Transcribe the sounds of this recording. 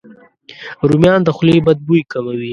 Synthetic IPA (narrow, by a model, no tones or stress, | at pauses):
ɾumjɑːnd̪əxʊlebad̪̚bujkamawi